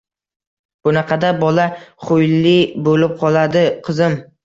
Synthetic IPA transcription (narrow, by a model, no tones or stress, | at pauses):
b̥ʊnɑqʰɑd̪abɒlaχojlːɪbolɪp̚qʰɒlˠad̪ɪqʰɨzɪm